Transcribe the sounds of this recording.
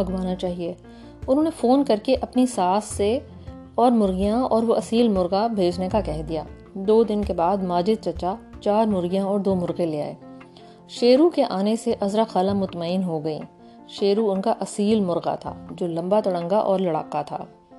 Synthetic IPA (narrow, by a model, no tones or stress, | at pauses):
bɐɡʋaːnat͡ʃaːɦie | ʊnɦõːnefoːnkɐɾkeʔɐpnisaːsːe | ɔːɾmʊɾɣijãɔːɾʋoʔɐsiːlmʊɾɣabʱeːd͡ʒnekakɛɦd̪ija̰ː | d̪oːd̪ɪnkebaːd̪maːd͡ʒɪd̪̚t͡ʃɐt͡ʃat͡ʃaːɾmʊɾɣijãɔːɾd̪oːmʊɾɣẽleːa̰ːḛː | ʃeːɾukeʔaːneseʔɐzɾaxaːlãmʊt̪maːɪnɦoɡɐḭ̃ | ʃeːɾuʊnkaʔɐsiːlmʊɾɣa̰t̪ʰa̰ːd͡ʒoːlɐ̃mbat̪ɐɽə̃ŋɡaʔɔːɾlɐɽa̰ːkat̪ʰa̰ː